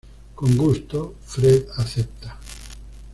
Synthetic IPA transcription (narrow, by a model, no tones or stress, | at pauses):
koŋɡust̪ofɾeðaθep̚t̪ḁ